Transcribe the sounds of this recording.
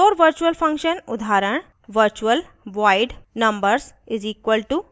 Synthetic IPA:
oːɾʋəɾt͡ʃuəlfɐ̃ŋkʃənʊd̪ʱaːɾəɳ | ʋəɾt͡ʃuəl | ʋaɪɖnɐ̃mbəɾsɪziːkʋəlʈu

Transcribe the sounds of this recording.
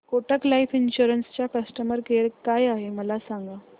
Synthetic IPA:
koʈəklaifinɕuɾənst͡ɕjakəsʈəməɾkeɾkajaɦeməlasaŋɡa

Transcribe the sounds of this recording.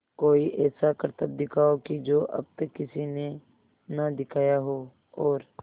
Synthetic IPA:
koːiʔɛːsakəɾt̪əb̚d̪ɪkʰaːokid͡ʒoːʔɐ̰b̚t̪əkːɪsine | nad̪ɪkʰaːjaɦoː | ɔːɾ

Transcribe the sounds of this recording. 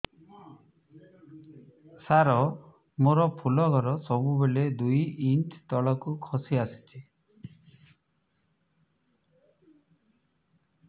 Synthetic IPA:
saɾɔ | moɾɔpʰulɔɡɔɾɔsɔbubeled̪ujint̪ʰt̪ɔɭɔkukʰɔsiasi̥t͡ʃʰi

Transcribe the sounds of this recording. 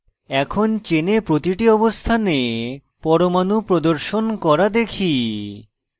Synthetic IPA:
ɛkʰont͡ɕenepɾot̪iʈiɔbost̪ʰane | pɔɾomanupɾod̪oɾʃonkɔɾad̪ekʰi

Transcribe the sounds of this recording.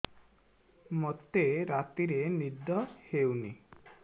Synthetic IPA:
mot̪eɾat̪iɾenid̪ɔhewni

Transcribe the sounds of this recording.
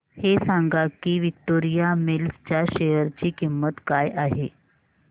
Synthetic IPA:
hesaŋɡakiːʋik̚toɾijamelst͡ɕjaɕejəɾt͡ɕiːkimːət̪kajʔaɦe

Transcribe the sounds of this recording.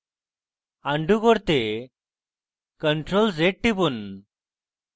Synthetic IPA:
aɳɖuɡɔɽt̪e | kəɳʈɾolseʈ̚ʈibun

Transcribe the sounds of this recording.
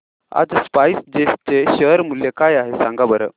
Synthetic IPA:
a̰d͡zspajsd͡ʑesʈ̚t͡ɕeɕəɾmuljekajaɦesãŋɡabəɾə

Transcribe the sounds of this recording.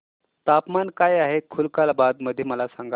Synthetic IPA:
t̪apmankajaɦekʰulkalbad̪məd̪ʱːjeməlasãŋɡa

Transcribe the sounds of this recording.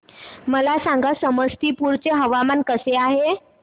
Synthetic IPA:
məlasaŋɡasəməst̪iːpuɾt͡seɦəʋamankəseaɦe

